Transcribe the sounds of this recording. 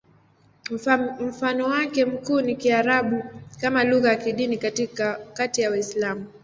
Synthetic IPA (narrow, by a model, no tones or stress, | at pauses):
m̩fanɔwakɛm̩kuːnikiaɾaɓukamaluɣajakiɗinikikatijawaislamu